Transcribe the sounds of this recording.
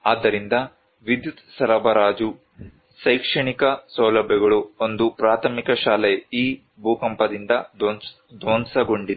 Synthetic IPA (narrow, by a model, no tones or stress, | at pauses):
aːd̪ːɐɾind̪ɐ | ʋid̪jut̪sɐɾɐbɐɾaːd͡ʒu | sɐjkʂɐɳikɐsɐwlɐbʱjɐɡɐɭuond̪upɾaːt̪ʰɐmikɐʃaːleiː | bʱuːkɐmpɐd̪ind̪ɐd̪ | d̪oːnsɐɡo̞ɳɖid̪u